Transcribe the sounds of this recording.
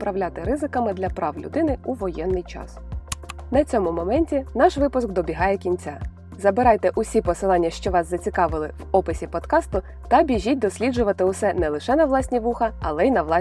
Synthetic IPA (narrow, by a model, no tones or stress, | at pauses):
pɾɐwlʲat̪ɪɾɪzɪkɐmɪd̪lʲɐpɾɑwlʲʊ̰d̪ɪnɪuʋɔjɛnːɪjt͡ʃɑ̰s | nɐt͡sʲɔmʊmɔmɛnʲtʲinɑʃʋɪpʊsk̚d̪ɔbʲiɦɑjɛkʲinʲt͡sʲa | zɐbɪɾɑjt̪ɛʔʊsʲipɔsɪlˠɑnʲːɐʃt͡ʃɔʋɑszɐt͡sʲikɑʋɪlˠɪwɔpɪsʲipɔd̪kɑst̪ʊ | t̪ɐbʲiʒʲit̚ʲd̪ɔsʲlʲid͡ʒʊʋɐt̪ɪʊsɛnɛlˠɪʃɛnɐʋlˠɑsʲnʲiʋuxɐɐlˠɛjnɐʋlˠɑ